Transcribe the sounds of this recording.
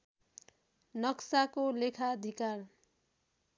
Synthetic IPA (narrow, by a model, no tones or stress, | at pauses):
nʌksakolekʰaʌd̪ʱikar